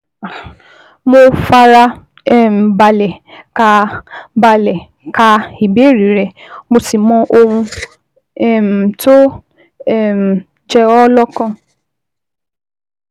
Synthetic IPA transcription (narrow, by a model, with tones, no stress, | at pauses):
a˨ | mo˧fa˧ɾa˧ | ɛ˦˨m̩˨ba˧lɛ˨ka˧ba˧lɛ˨ | ka˧i˨be˨˦˨ɾi˨˦ɾɛ˧mo˧si˨mɔ̃˧˦ʔo˧ũ˧ | ɛ˦˨m̩˨to˦ | ɛ˦˨m̩˨ | d͡ʒɛ˧ɔ˦lɔ˦kã˦˨